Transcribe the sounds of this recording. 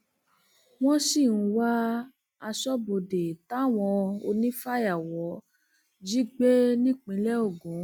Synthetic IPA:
w̃ɔ̃˦si˦˨ñ̩˨˧wa˦ | a˧ʃɔ˦bo˧de˨ta˦˨w̃ɔ̃˧o˧nĩ˦fa˦˨ja˨wɔ˨˦ | d͡ʒi˦ɡ͡be˦nĩ˦˨k͡pĩ˨˧lɛ˦o˦˨ɡũ˨˦

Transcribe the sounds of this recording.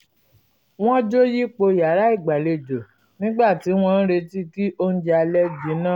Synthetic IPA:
w̃ɔ̃˦d͡ʒo˦ji˦k͡po˧ja˨˦ɾa˨˦i˦˨ɡ͡ba˨le˧d͡ʒo˨ | nĩ˦ɡ͡ba˦˨ti˨˦w̃ɔ̃˦n̩˦ɾe˧ti˦ki˦ʔo˦n̩˦d͡ʒɛ˧a˧lɛ˦ɡĩ˨˦nã˦˨

